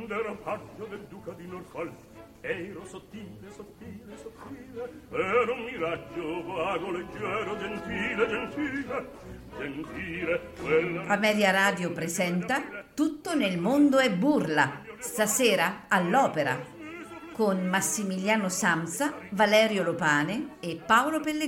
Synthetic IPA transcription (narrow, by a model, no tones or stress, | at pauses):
nd̪ɛɾafat͡ʃːod̪eld̪uːkad̪inorfɔl | ɛjɾosot̪ːiːlesot̪ːilesot̪ːileɛɾomːiɾad͡ʒːovaɡoled͡ʒːɛːɾod͡ʒent̪iːled͡ʒent̪iːle | d͡ʒent̪iːɾekwelamɛɾjaɾaːd̪jopɾezɛnt̪at̪ut̪ːonelmond̪oɛbːurlast̪asɛːɾaːlːɔːpeɾa̰ | konmasːimiljaːnosamsavalɛːɾjolopaːneːpːawlopelːe